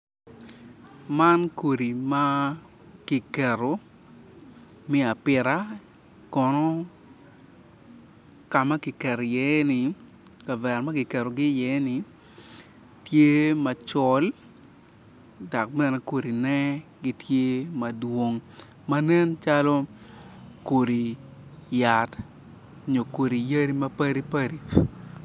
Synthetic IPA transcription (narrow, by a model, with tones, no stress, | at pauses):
ma˦nko˨ɾi˨ma˦ | ki˨kɛ˨ɾo˨ | mɪ˦a˨pɪ˨ɾa˦ | kɔ˨nɔ˦ | ka˨ma˦ki˨kɛ˨ɾjɛ˨˦nɪ˨ | ka˨vɛ˨ɾma˦kɪ˨kɛ˨ɾo˨ɡɪ˦jɛ˨˦nɪ˨ | tje˦ma˨t͡ʃɔ˨l | da˨k̚mɛ˨nɛ˨ko˨ɾi˨nɛ˦ɡɪ˦tʰje˦mɐ˨dwo˨˦ŋ | ma˦nɛ˦nt͡ʃa˦lo˦ | ko˨ɾi˨ | ja˨t | ɲo˨ko˨ɾi˨ja˦ɾi˦mɐ˦pɐ˦ɾi˦pa˦ɾi˨